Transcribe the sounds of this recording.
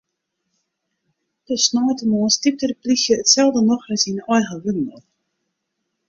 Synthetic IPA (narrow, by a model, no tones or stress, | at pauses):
dəsnɔːtənɔːnstip̚tərplixjəətsɛlˠdənɔxəsinɔjɣəʋɪdn̩əl